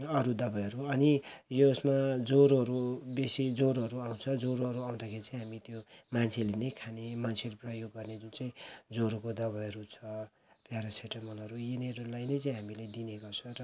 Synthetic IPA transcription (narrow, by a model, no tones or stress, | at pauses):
ʌɾud̪ʌbʌjɦʌɾuʌnijosmad͡zoɾɦʌɾubesid͡zoɾɦʌɾuaw̃t͡sʰʌd͡zoɾoɦʌɾuaw̃d̪akʰeɾit͡saj̃ɦamit̪jomant͡sʰelenʌjkʰanemant͡sʰeɾeprʌjoɡːʌrned͡zunt͡saĩd͡zoɾokod̪ʌβʌjɦʌɾut͡sʰʌ | pjaɾaseʈʌmʌnʌɾujeneɾulajnʌjt͡saĩɦamiled̪ineɡʌrt͡sʰʌrʌ